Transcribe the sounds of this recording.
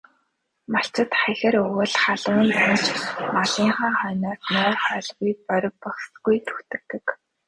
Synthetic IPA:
maɬt͡sə̆t̪χæxɘ̆ɾɵwɘ̆ɮχaɮʊːnt̪ʰant͡ɕmaɮiːŋχaːχœːnɔːrt̪nʊːχœːɮɣujk̚pœɾʲɪ̆ppɔχsɡujt̪ʰu̥xt̪ɘ̆k̚t̪ɘ̆k

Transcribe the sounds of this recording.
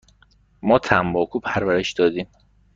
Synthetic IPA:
mɒːt̪ʰæmbɒːkʰuːpʰæɾvæɾe̞ʃd̪̥ɒːd̪iːm

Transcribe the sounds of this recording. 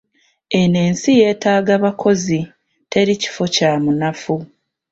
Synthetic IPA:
e̞ne̞ːnsije̞ːtaːɡaβakʰo̞zi | tʰe̞ɾici̥fo̞caːmunafu

